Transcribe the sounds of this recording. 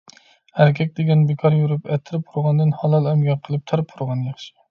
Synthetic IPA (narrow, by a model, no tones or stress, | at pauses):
hæɾkʲʰɛkʲd̪eɡʲɛnbekʰɑɾjuɾupɛt̪ʰːɪɾɪp̚ʰuɾʁɑnd̪ɨnhɑlˠɑlˠæmɡʲɑqʰːəlˠɨp̚t̪ʰæɾɨp̚ʰuɾʁɑnjɑχʃɪ̥